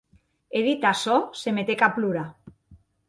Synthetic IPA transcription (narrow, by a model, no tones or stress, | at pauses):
eðit̪asɔsemet̪ekapluɾa